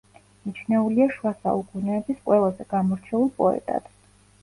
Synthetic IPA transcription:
mit͡ʃʰnɛuliaʃwasa̰ukʼunɛːbisqʼwɛlˠazɛɡ̥amɔɾt͡ʃʰɛulˠpʼɔɛ̰t̪ʼa̰d̪̥

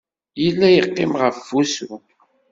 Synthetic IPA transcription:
jəlːæjəqːɪmʁəfːusu

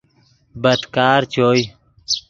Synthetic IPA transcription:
bəd̪kaːɾt͡ʃʰoːj

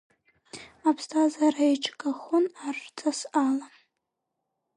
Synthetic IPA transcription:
apʰstʰazaɾaiʈ͡ʂʰʼkʼaχʊnartʰasala

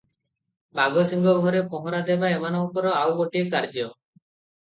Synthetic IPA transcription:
baɡɔsiŋɡɔɡʱɔɾepɔɦɔɾad̪ebaemanɔkɔɾɔawɡoʈiekaɾd͡ʒiɔ

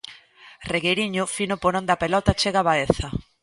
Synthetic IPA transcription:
reɣejɾiɲʊfinopoɾond̪ɐpelɔt̪at͡ʃeɣaβaeθɐ

